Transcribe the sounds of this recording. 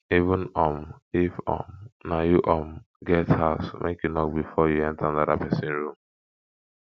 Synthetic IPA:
ivʊ̃nɔmifɔ̰̃mnajuʔɔm | ɡɛthaʊsmʔḛkenɔk̚bifɔjuɛ̃ntaanada̰pɛsɪ̃nɹũm

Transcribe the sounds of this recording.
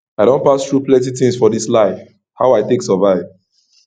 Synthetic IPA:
aɪɾõnpastɹuplɛ̃titĩŋsfɔdislaɪf | ha̰ʊaɪteksəvaɪv

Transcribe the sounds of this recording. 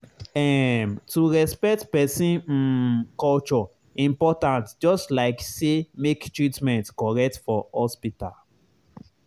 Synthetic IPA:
ɛ̃mtuɹɛspɛk̚tpɛsĩn̩kɔlt͡ʃɔ | ĩmpɔtãntd͡ʒɔstlaɪksemektɹitmɛ̃ntkɔɹɛk̚tfɔhɔspita̰l

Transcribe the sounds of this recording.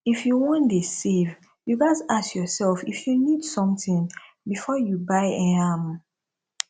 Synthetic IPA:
ifjuwɔ̃ndisev | juɡasasjɔsɛlfifjunidsɔ̃mtĩŋ | bifɔjubaɪɛ̃am

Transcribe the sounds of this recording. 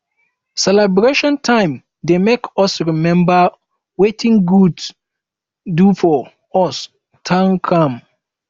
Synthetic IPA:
sɛlɛbɾeʃɔ̃ntʰãɪ̃m | demekʰɔsɹimɛ̃mba | wetʰĩŋɡuds | dufɔ | ɔs | tʰãnkʰãm

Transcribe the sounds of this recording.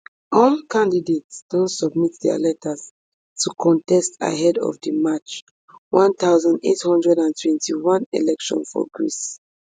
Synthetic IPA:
ɔlkʰãndidetsd̥õntsɔb̚mit̚dɛa̰lɛtʰəz | tʰukʰɔ̃ntɛsta̰ɦɛdɔ̰vdimat͡ʃ | wãnt̪aʊzãndḛthɔ̃ndɹɛdãntʰwɛ̃ntʰiwãnḛlɛkʃɔ̰̃nfɔ̰ɡɹḭs

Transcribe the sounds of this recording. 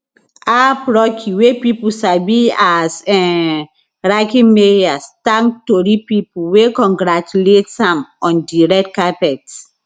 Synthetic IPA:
apɹɔkʰiwepipusabiasɛ | ɹakĩmeɹiastãŋktoɾipipuwekɔ̃ŋɡɹat͡ʃuletsãmɔ̃ndiɹɛktkapɛt

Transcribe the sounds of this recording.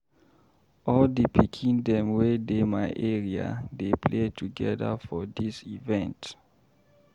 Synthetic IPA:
ɔldipʰikʰĩndɛ̃mwedemaɪʔɛɹia̰depʰletʰuɡɛdə̰fɔdisivɛ̃nt

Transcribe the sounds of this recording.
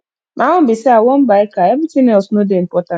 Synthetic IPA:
mʔãɔ̃m̩bisɛawɔm̩baɛkaemitinɛɔsnodem̩pɔtã

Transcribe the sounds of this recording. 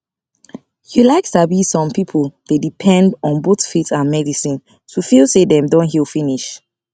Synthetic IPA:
hulaɪktabisɔ̃mpipʰəlˠdedipʰɛ̃ndɔ̃nbotfitãnmɛdisĩn | tufilˠsedɛ̃mdõnɦilfĩniʃ

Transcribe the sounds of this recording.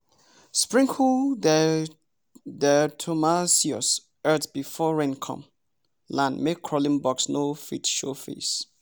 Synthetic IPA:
spɹĩŋkʰul | dɛtʰomasiɔs | ɜtbifɔɹɛ̃nkʰɔ̰̃m | lãndmekʰːɹɔlĩnbɔksnofitʃofḛs

